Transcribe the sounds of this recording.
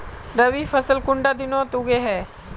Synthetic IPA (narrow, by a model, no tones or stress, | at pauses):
ɾəʋifəsəlkʊɳɖad̪ɪnot̪uɡeɦɛː